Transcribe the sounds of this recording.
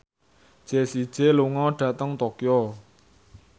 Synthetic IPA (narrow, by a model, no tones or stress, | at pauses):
ʒ̥ɛsid̥ʒ̥eloŋɔɖ̥ä̤t̪əŋt̪okjɔ